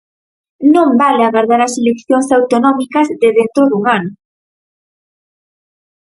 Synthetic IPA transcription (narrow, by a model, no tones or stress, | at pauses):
nõmbaleaɣaɾðaɾɐselekθjoŋsawt̪onɔmikɐzðeðent̪ɾoðuŋano